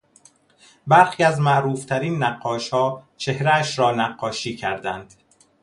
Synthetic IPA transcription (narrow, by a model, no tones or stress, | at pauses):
bæɾxiːæzmæʔɾuːft̪ʰæɾiːnːæɢːɒːʃhɒːt͡ʃʰe̞hɾææʃɾɒːnæɢːɒːʃiːcʰæɾd̪ænd̪̥